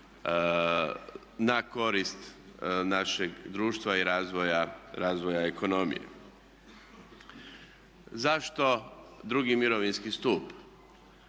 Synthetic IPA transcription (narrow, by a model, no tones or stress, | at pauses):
nako̞ɾist̪naʃeɡd̪ɾuːʃt̪ʋaiɾaːzʋojaɾaːzʋo̞jaeko̞no̞mḭjḛ | zaʃt̪o̞d̪ɾuɡimiɾoʋinskist̪uːp